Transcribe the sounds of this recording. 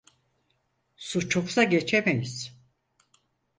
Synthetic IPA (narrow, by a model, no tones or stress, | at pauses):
sut͡ʃʰoksaɟet͡ʃʰemejiz̥